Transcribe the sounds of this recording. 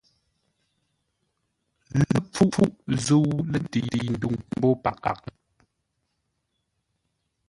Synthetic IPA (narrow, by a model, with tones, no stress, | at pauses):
lə˦p͡fu˦fu˦ʔzu˦wlə˦˨ti˨i˨n̩˨du˦˨ŋm̩˦bɔ˦pa˨ka̰˨k̚